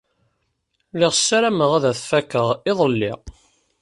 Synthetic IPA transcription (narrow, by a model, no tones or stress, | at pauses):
lɪʁsːæɾæməʁaðæθfækːəʁɪðˤəlːɪ̰